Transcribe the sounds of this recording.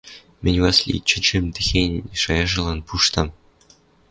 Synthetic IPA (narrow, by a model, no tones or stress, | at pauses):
mʲɘ̆nʲwɑsʲlʲḭt͡ɕɘ̆t͡ɕɘ̆mʲt̪ɘ̆xʲenʲnʲʂɑjɑʐɤ̆lˠɑnpuʂt̪ɑ̆m